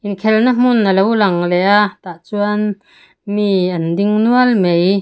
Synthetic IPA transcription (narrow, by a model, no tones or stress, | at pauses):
ʔinkʰɛlnam̥unəlowlɐŋlɛʔaʔt̪aʔt͡suɐn | miʔɐndiŋnuɐlmej